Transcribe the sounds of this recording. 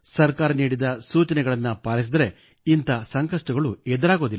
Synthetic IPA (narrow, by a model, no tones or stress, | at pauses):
sɐɾkaːɾɐniːɽid̪ɐsuːt͡ʃɐnɛɡɐɭɐnːɐpaːlis̬id̪ɐɾe̞ | int̪ɐsɐŋkɐʂʈɐɡɐɭuɛd̪ɐɾaːɡo̞ːd̪ilː